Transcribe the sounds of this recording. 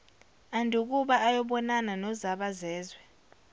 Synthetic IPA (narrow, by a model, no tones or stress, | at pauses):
andʱuk̬ʼuɓaʔajɔɓɔnananɔzaɓazɛːzwɛ